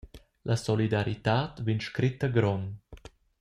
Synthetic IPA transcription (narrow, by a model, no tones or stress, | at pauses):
lʔasɔlid̪aɾit̪aːt̪vinʃkɾit̪əɡɾɔn